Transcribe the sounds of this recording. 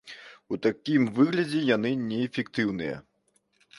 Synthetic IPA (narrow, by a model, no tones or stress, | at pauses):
ut̪akʲimvɨɣlʲɐd͡zʲɛjan̪ɨnʲɛːfʲɛkt̪ɨwn̪ɨjɐ̰